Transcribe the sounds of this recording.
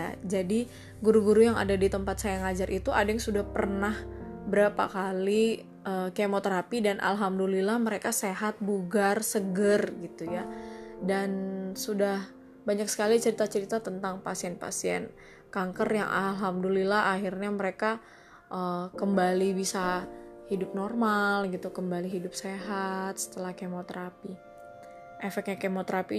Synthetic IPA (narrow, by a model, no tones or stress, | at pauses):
ad͡ʒadi | ɡuɾuɡuɾujaŋa̰dadit̪əmpat̪̚sajajaŋad͡ʒarʔit̪uʔadajaŋsudahpərnahbəɾapa̰kali | ʔəːkemot̪əɾapidanʔa̰lɦamdulilahməɾekaseɦat̪̚buɡarsəɡərɡit̪ujadansudah | baɲak̚sə̥kalit͡ʃəɾit̪at͡ʃəɾit̪at̪ənt̪aŋpasiɛnpa̰siɛ̰n | kaŋkərja̰ŋʔa̰lɦamdulilaɦaɦirɲaməɾeka | ʔəkəmbalibisahidʊp̚nɔrmalɡit̪ukəmbaliɦidʊp̚seɦat̪̚sə̥t̪əlahkemot̪əɾapi | ʔefɛk̚t̪̚ɲakemot̪ɾapi